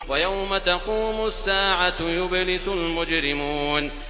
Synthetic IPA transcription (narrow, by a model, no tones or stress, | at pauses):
wajawmat̪aquːmʊsːaːʕajʊblɪsʊlmʊd͡ʒɾɪmun